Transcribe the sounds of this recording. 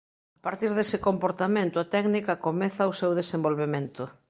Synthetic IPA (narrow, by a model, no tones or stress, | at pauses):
apaɾt̪iɾðesɪkompoɾt̪amẽnt̪ʊat̪ɛɡnikɐkomɛθaʊsewðesembolβemẽnt̪ʊ